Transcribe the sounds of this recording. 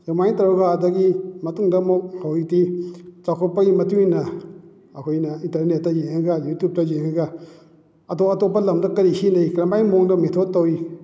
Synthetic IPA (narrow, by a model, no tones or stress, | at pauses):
jamajntɐwɾaɡaːdɐɡimɐtuŋdɐmok̚hawitit͡ʃakʰɔpːɐɡimɐtuŋinɐ | ɐkʰojnɐintɐɾnet̚ːɐjeŋɐɡɐjutup̚tɐjeŋɐɡɐ | ɐtoɐtopːɐlɐmdɐkɐɾisinɐjkɾɐmbajmoŋdɐmetʰot̚tːɐwi